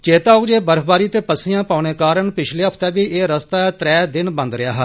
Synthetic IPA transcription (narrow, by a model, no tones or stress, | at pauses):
t͡ʃeːt̪aːʊd͡ʒeːbəɾfʰbaːɾiːt̪eːpəsɪjãːpaːneːkaːɾəɳpɪt͡ʃʰleːɦəpʰt̪ɛːbiːʔeːɾəst̪aːt̪ɾɛːd̪ɪnbə̃nd̪ɾɪjaːɦɛː